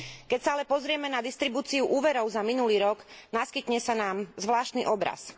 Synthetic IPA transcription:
kɛcsaalɛpɔzɾɪɛmɛnad̪ist̪ɾibuːt͡siuʔuːʋɛɾɔʊzaminuliːɾɔɡnaskit̪ɲɛsanaːmzʋlaːʃt̪niʔɔbɾa̰s

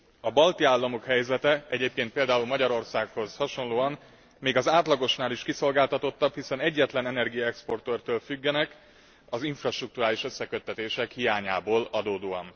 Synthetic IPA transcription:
ɒbɒlt̪iaːlːɒmo̞khɛjzɛt̪ɛɛɟeːp̚keːnt̪̚peːld̪aːulmɒɟɒɾo̞rsaːkho̞zhɒʃo̞nloːɒn | meːɡɒzaːt̪lɒɡo̞ʃnaːliʃkiso̞lɡaːlt̪ɒt̪o̞t̪ːɒphisɛnɛɟːɛt̪lɛnɛnɛrɡijɒɛkspo̞rt̪ørt̪øːlfyɡːɛnɛk | ɒziɱfrɒʃt̪ruk̚t̪uɾaːliʃø̞sːɛkø̞t̪ːɛt̪eːʃɛkhijaːɲaːboːlɒd̪oːd̪oːɒn

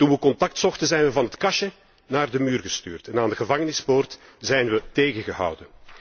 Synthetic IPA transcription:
tunʋəkɔntɑk̚tsɔxtənzɛjnʋəvɑnɦətkɑʃə | naːrdəmyːrɣəsty̰ːrtɛnaːndəɣəvɑŋənɪspoːrtz̥ɛjnʋəteːɣəɣəɦɑ̰wdən

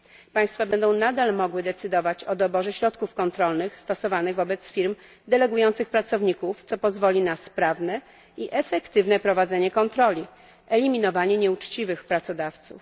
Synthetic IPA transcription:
paj̃st̪fabɛnd̪ɔ̃w̃nad̪almɔɡwɘd̪ɛt̪sɘd̪ɔvat͡ɕɔd̪ɔbɔʐɛɕɾɔt̪kufkɔnt̪ɾɔlnɘxst̪ɔsɔvanɘɣvɔbɛt̪sfʲiɾm | d̪ɛlɛɡujɔnt̪sɘxpɾat̪sɔvɲikuft̪sɔpɔzvɔlʲinaspɾavnɛ | iʔɛfɛkt̪ɘvnɛpɾɔvad̪zɛɲɛkɔnt̪ɾɔlʲi | ɛlʲimʲinɔvaɲɛɲɛut͡ʂt͡ɕivɘxpɾat̪sɔd̪aft̪sṵf

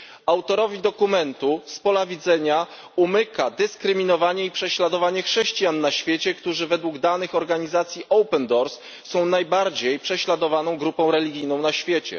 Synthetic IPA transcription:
awt̪ɔɾɔvʲid̪ɔkumɛnt̪uspɔlavʲid̪zɛɲa | umɘkad̪ɘskɾɘmʲinɔvaɲɛipʂɛɕlad̪ɔvaɲɛxʂɛɕt͡ɕijanːaɕfʲjet͡ɕɛkt̪uʐɘvɛd̪wuɡd̪anɘxɔɾɡaɲizat̪sʲjiʔɔwpɛnd̪ɔɾsː | ɔ̃w̃najbaɾd͡ʑejpʂɛɕlad̪ɔvanɔ̃w̃ɡɾupɔ̃w̃ɾɛlʲiɡʲijnɔ̃w̃naɕfʲjet͡ɕɛ̰

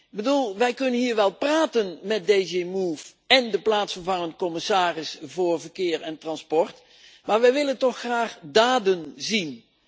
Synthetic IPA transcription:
bədulˠʋɛjkɵnənɦiːɹʋɛlˠpraːtənmɛt̚dejzemuːf | ɛndəplaːtsənvɑnənkɔmɪsaːrɪsvʊːɹvəɹkɪːɹɛntrɑnspɔɹt | maːɹʋɛjʋɪləntɔχraːχdaːdənzin

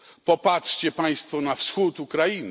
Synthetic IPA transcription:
pɔpatʂt͡ɕɛpaj̃st̪fɔnafsxut̪ukɾain

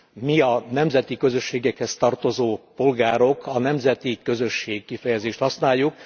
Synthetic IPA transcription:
miɒnɛmzɛt̪ikø̞zø̞ʃːeːɡɛkhɛst̪ɒrt̪o̞zoːpo̞lɡaːɾo̞kʰɒnɛmzɛt̪ikø̞zø̞ʃːeːkkːifɛjɛzeːʃt̪hɒsnaːjːuk

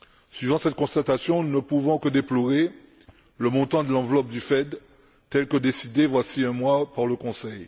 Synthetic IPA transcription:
sɥivɑ̃sɛt̪̚kɔ̃st̪at̪asjɔ̃nəpuvɔ̃kəd̪eploʁe | ləmɔ̃t̪ɑ̃d̪əlɑ̃vlɔp̚d̪yfɛd̪ | t̪ɛlkəd̪esid̪evwasiɛ̃mwapaʁləkɔ̃sɛj

